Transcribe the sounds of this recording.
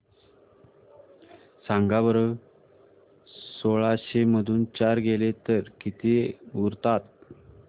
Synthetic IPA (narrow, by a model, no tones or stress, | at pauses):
sãŋɡaʋəɾə | soɭaɕeməd̪ʱuːnt͡ɕaɾɡelet̪əɾkit̪euɾt̪at̪